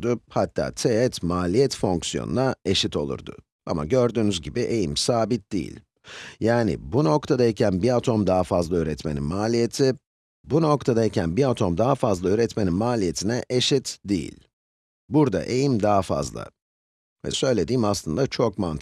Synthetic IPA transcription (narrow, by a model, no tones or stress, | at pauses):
d̪ʊhat̪ʰːa̰ːt̪ʰeɛt̪maːlʲijɛt̪fo̞ŋksijo̰nṵnae̞ʃit̪ʰo̞̰lˠṵɾd̪ʊ̰ | a̰ma̰ɟø̞ɾd̪yːnyzɟibiʔejimsaːbit̪̚d̪̥ḭjḭlʲ | jaːnḭbuno̞kt̪ʰad̪aicʰænbiat̪ʰo̞md̪aɦafazlˠaøːɾɛt̪me̞nḭnmaːlʲije̞t̪ʰɪ | buno̞kt̪ʰad̪aicʰænbiat̪ʰo̞md̪aɦafazlˠaøːɾɛt̪me̞ninmaːlʲije̞t̪ʰinɛʔeʃit̪d̪ijḭlʲ | buɾd̪a̰ʔejimd̪aɦafa̰zlˠa̰ | vɛ̰sø̞jlʲe̞d̪iːmaslˠɯnd̪at͡ʃʰok̚mant̪ʰ